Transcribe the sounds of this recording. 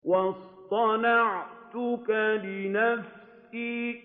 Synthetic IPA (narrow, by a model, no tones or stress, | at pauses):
wɑst̪ˤɑnɑʕt̪ʊkalɪnaf | siː